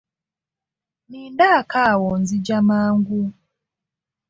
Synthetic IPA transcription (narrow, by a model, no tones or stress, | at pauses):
nindakawɔnzid͡ʒamaŋɡu